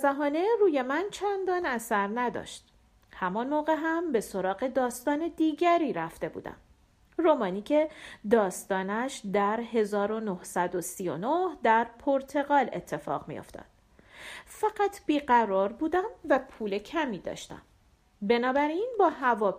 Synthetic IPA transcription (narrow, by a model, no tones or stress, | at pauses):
zæɦɒːne̞ɾuːje̞mænt͡ʃʰænd̪ɒːnæsæɾnæd̪ɒ̰ʃt̪̚ | hæmɒnmoːɣe̞ɦæmbe̞so̞ɾɒːɣe̞d̪ɒːst̪ɒːne̞d̪iːɟæɾiːɾæft̪e̞bṵːd̪æ̰m | romɒːniːcʰe̞d̪ɒːst̪ɒːnæʃd̪æɾɦe̞zɒːɾo̞nohsæd̪o̞sijo̰nohd̪æɾpʰoɾt̪ʰe̞ɣɒːle̞t̪ʰːe̞fɒ̰ɣmḭjo̞̰ft̪ʰɒ̰ːd̪̥̚ | fæɢæt̪ʰb̥iːɢæɾɒːɾbuːd̪æmvæpʰuːle̞cʰæmiːd̪ɒ̰ːʃt̪æ̰m | be̞nɒːbæɾinbɒːɦævɒː